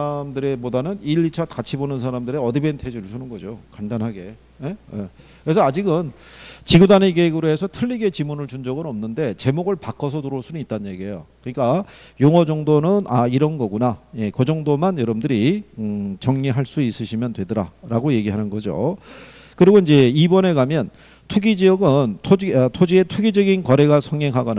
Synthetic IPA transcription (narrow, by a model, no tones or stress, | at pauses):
amdɯɾe̞bodanɯniʎːit͡ɕʰat̚kat͡ɕʰibonɯnsʰaɾamdɯɾeʌdibe̞ntʰe̞d͡ʑuɭsʰunɯnɡʌd͡ʑokandanɦaɡe̞ | je̞je | kɯɾe̞s̬ʰʌad͡ʑiɡɯn | t͡ɕiɡudaneɡeɡɯɾoesʰʌtʰɯʎːiɡe̞t͡ɕimunɯɭt͡ɕund͡ʑʌɡɯnʌmnɯnde̞t͡ɕe̞moɡɯɭpak͈ʰʌsʰʌtuɾoɭs͈ʰunɯnit̚t͈aɲje̞ɡiejokɯɲik͈a | joŋʌd͡ʑʌŋdonɯnaiɾʌnɡʌɡunaje̞kʌd͡ʑʌŋdomanjʌɾʌmndɯɾi | t͡ɕʌŋɲiɦaɭs͈uis͈ɯɕʰimjʌndwe̞dɯɾa̰ɾaɡoje̞ɡiɦanɯnɡʌd͡ʑo̰ | kɯɾiɡoind͡ʑe̞ibʌne̞ɡamjʌn | tʰuɡid͡ʑiʌɡɯntʰod͡ʑtʰod͡ʑie̞tʰuɡid͡ʑʌɡinkʌɾe̞ɡasʰʌŋːeŋɦaɡʌn